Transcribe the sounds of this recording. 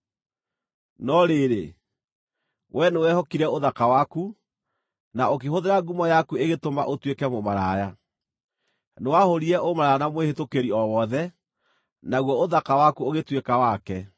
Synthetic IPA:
nɔɾeɾḛ | wʔɛnewɛhɔkiɾɛoðakawaku | naok̬eɦoðeɾaɡumɔjakueɣetoma̰ʔotwekɛmomaɾaːja | newahoɾiɛʔomaɾaanamwehetokeɾiɔwɔðɛ | naɣwɔoðakawakuoɣetwekawakɛ

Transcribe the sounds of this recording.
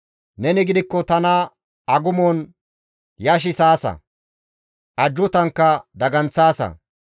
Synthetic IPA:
nɛnɪɡɪd̪ɪkːɔt̪ɐnɐ | ɐɡʊmon | jɐʃ̬ɪsaːsɐ̰ | ʔɐd͡ʒːʊt̪ɐŋkːɐd̪ɐɡɐnt͡sːaːsɐ̰

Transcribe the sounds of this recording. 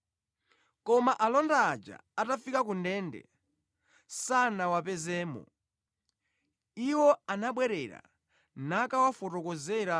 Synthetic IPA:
kɔmaʔalɔndaːd͡ʒa̰atafikakundɛndɛ̰ | sanawapɛzɛːmɔ̰ | iwɔanaɓwɛɾɛɾa̰ | nakawafɔtɔkɔzɛɾa

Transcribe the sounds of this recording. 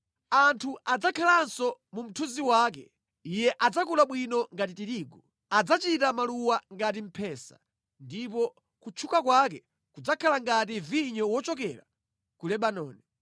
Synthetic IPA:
antʰuʔad͡zakʰalansɔmum̩tʰuziwaːk̬ɛ | ijɛʔad͡zakulaɓwinɔŋɡat̬itiɾiːɡɔ | ad͡zat͡ʃitamaluwaŋɡat̬im̩pʰɛsa̰ | ndip̬ɔ | kut͡ʃʰukakwakɛ | kud͡zakʰalaŋɡat̬iviɲɔwɔt͡ʃɔk̬ɛɾa | kulɛɓanɔːni

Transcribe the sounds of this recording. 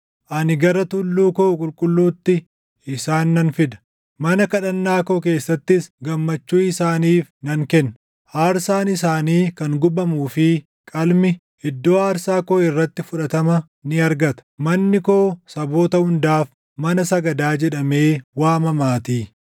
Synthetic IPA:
ʔɐnɪɡɐɾɐt̪ʊlːuːkoːkʼʊlkʼʊlːuːt̪ːɪ | ɪsaːnːɐnfɪd̪ɐ̥ | mɐnɐkɐᶑɐnːaːko̞ːk̬e̞ːsːɐt̪ːɪsɡɐmːɐt͡ʃːuːɪsaːniːfnɐŋkɛnːɐ | haːɾsaːnɪsaːniːkɐŋɡʊbɐmuːfɪ | kʼɐlmɪ | ɪd̪ːo̞ːɐɾsaːkoːɪrːɐt̪ːɪfʊᶑɐt̪ɐmɐ | nɪɐɾɡɐt̪ɐ̥mɐnːɪkoːsɐbo̞ːt̪ɐhʊnd̪aːf | mɐnɐsɐɡɐd̪aːd͡ʒɛᶑɐme̞ːwaːmɐmaːt̪iː

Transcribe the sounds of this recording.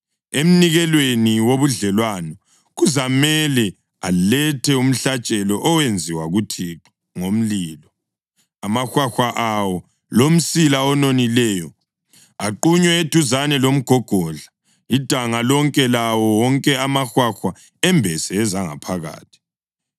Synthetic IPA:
em̩niɣɛlweniwoβuɮɛlwanɔ | ɣuzamɛlɛ | a̰lɛtʰɛum̩ɬat͡ʃʼɛlɔʔɔwend͡zʱiwaɣutʰiǁa | ŋom̩liːlɔ | amaxwaxwaʔawɔ | lom̩silaɔnonilɛːjɔ | aǃuɲwɛed̥ʱuzanɛlom̩ɡ̥ʱɔɡ̥ʱɔɮa | id̥ʱaŋalɔŋkʼɛlawɔwɔŋkʼɛamaxwaxwa | ɛmbʱɛsɛːzaŋa̰pʰaɣa̰ːtʰi̥

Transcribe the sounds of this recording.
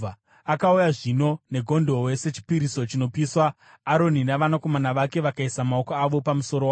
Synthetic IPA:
akaujaʐino̞ne̞ɡʱo̞ndo̞we̞se̞t͡ʃi̥piɾiso̞t͡ʃino̞piːswaː | ɾo̞ninaʋanako̞manaʋake̞ʋakaisamaokoaʋo̞pamuso̞ɾowa

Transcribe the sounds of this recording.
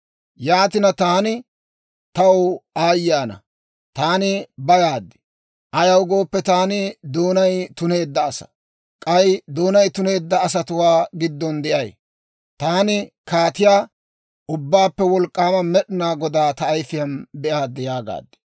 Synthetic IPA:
jaːt̪ɪnɐt̪aːnɪ | t̪ɐwaːjːaːnɐ̰ | t̪aːnɪbɐɡaːd̪ːɪ̥ | ʔɐjɐwɡo̞ːpːɛt̪aːnɪd̪oːnɐjt̪ʊne̞ːd̪ːɐːsɐ̥̰ | kʼɐjd̪oːnɐjt̪ʊne̞ːd̪ːɐːs̬ɐt̪ʊwaːɡɪd̪ːɔnd̪ɛʔɐj | t̪aːnɪ | kaːt̪ɪjaː | ʔʊbːaːpːɛwɔlkʼːaːmɐmɛɗɪnaːɡɔd̪aːt̪ɐːjfɪjɐnbɛʔaːd̪ːɪjaːɡa̰ːd̪ːɛ̥

